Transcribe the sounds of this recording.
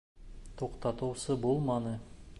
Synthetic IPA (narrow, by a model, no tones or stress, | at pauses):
t̪ʰoqt̪ɑt̪uːsɨbolˠmɑnɯ